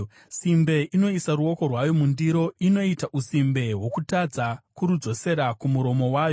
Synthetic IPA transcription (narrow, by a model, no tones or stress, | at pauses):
simbe̞ʔino̞isaruo̞ko̞rwajo̞mundiɾo̞ino̞itaʔusimbe̞ɦwo̞kutad͡zakuɾud͡zo̞se̞ɾakumuɾo̞mo̞waːjo̞